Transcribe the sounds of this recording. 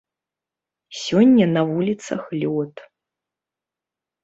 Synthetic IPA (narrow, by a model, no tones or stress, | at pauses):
sʲɔnʲːɐnɐvulʲit̪sɐ̰xlʲɔt̪